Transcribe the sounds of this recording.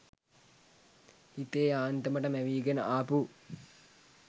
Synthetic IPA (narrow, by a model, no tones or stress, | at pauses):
it̪eːaːnt̪əməʈəmæʋiːɡenəʔaːpu